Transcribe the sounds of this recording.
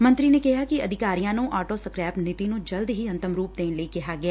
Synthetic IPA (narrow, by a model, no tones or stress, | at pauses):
mə̃nt̪ɾiːneːkɪɦaːkiəd̪ʱɪkaːɾijãːnũːʔaːʈoːsəkɾɛːpnɪt̪inũd͡ʒəld̪ɦiːɐ̃nt̪əmɾuːp̚d̪eːnleikɪɦaːɡɪɛː